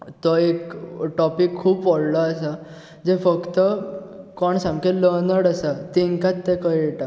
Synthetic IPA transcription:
t̪ɔekʈɔpikʰːuːbʋɔɽlaːsa | d͡zefəkt̪əkɔɳsãŋkẽlənəɽasat̪iŋkat̪ːɛkəɛʈa

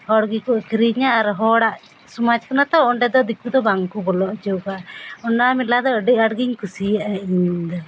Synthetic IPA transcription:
hɔɽɡikuʔkɾiɲaʔːɾɦɔɽaʔ | sumad͡ʒkunat̪ɔɔɳɖɛd̪ɔd̪ikːud̪ɔbaŋkubɔlɔʔd͡ʒɔwkaʔɔnːamilad̪ɔəɖiʔaɽɡiɲkusiaʔaʔiɲd̪ɔ

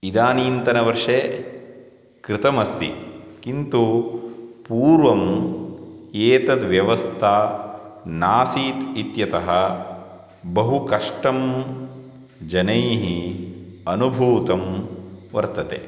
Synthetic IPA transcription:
id̪aːniːnt̪ɐnɐʋɐɾʂe | kɾɪt̪ɐmɐst̪ḭkint̪u | puːɾʋɐm | eːt̪ɐd̪ʋjɐʋɐst̪ʰaː | naːsiːt̪it̪jɐt̪ɐɦɐ | bɐɦukɐʂʈɐm | d͡ʒɐnɐjɦi | ɐnubʱuːt̪ɐmʋɐ̰ɾt̪ɐt̪ḛ

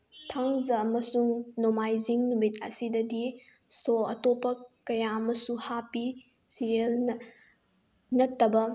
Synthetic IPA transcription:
tʰaŋzɐːmɐsuŋnomajziŋnumitɐ̰sidɐdi | soɐtopːɐkɐjaɐmɐsuhapi | siɾiɐlnɐ | nɐtːɐbɐ

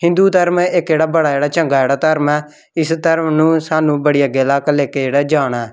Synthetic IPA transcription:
hɪ̃nd̪uːt̪əɾmɪkd͡ʒeːɽaːbəɽaːd͡ʒeːɽaːt͡ʃəŋɡaːd͡ʒeːɽaːt̪əɾmɛː | ɪst̪əɾmnũːsaːnũːbəɽɪjaːɡelaːkleːked͡ʒeːɽaːd͡ʒaːɽ̃ɛː

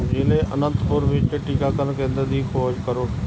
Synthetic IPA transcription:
d͡ʒɪlẽʔənə̃nt̪pʊɾʋɪt͡ʃʈiːkaːkəɾnkẽːnd̪ad̪iːkʰoːd͡ʒkəɾoː

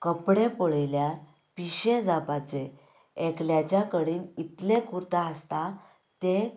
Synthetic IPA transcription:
kəpɽepoɭelja | piɕẽd͡zapat͡se | ekljat͡ɕjakəɽiːnit̪lekuɾt̪aəst̪a | t̪e

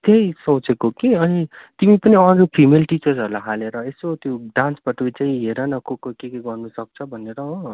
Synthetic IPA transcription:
t̪ejsʌt͡sʰekokiʌnit̪imipʌniʌd͡zupʰimelʈit͡sʌrsɦʌɾulaɦaleɾʌesot̪joɖãnsbʌʈuit͡saĩɦeɾʌnʌkokokekeɡʌrnusʌk̚t͡sʰʌbʱʌneɾʌõ

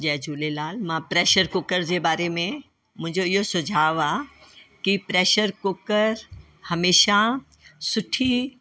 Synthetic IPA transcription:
d͡ʑɛːd͡ʑʱuːlelaːlmãpɾeːʃəɾkʊkəɾd͡ʑeːbaːɾemẽ | mʊ̃ɦɪ̃ɲd͡ʑoɪɦosʊd͡ʑʱaːʋaːkipɾeːʃəɾkokəɾ | hɐmeːʃa | sʊʈʰi

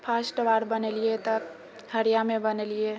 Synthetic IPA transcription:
pʰasʈʋaɾbəneliet̪ə | həɾijamebənelie

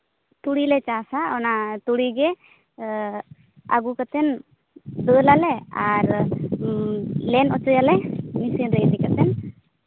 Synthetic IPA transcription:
t̪uɽilɛt͡ʃasaɔnat̪uɽiɡɛ | a̰ɡukat̪ɛn | d̪əlalɛaɾ | lɛnɔt͡ʃɔjalɛmisinɾejd̪ikat̪ɛn

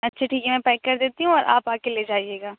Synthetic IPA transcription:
ɐtːʃʰaʈʰiːkɛmɛ̃pɛːkːɐɾd̪eːt̪iɦũɔːɾʔa̰ːpaːkelied͡ʒaːieːɡaː

